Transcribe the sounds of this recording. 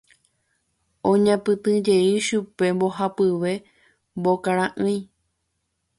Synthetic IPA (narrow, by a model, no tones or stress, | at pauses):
õɲãpɨ̃t̪ɨ̃d͡ʒe̞iʃupe̞mboɦapɨʋe̞ | mbokaɾãʔɨ̃j̃